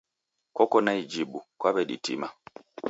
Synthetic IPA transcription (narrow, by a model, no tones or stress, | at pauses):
kɔkɔnaid͡ʒiɓukwabɛɗḭtḭma